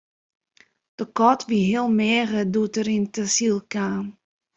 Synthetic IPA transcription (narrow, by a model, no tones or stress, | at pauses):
d̥əkɔtʋiɦiəlˠmɛːɣədutəɾintəsilˠkaːm